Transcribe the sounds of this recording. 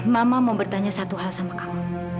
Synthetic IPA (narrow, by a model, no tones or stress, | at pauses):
mamamawbərt̪aɲasat̪uɦalsamakamu